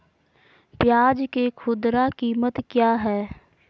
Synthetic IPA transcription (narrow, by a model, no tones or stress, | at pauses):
pjaːd͡ʒkekʰʊd̪ɾakiːmət̪kjaːɦɛː